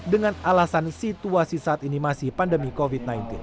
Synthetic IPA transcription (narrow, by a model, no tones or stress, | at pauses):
dəŋanalasansit̪uasisaat̪inimasipandəmikovit̪̚najnt̪ɪn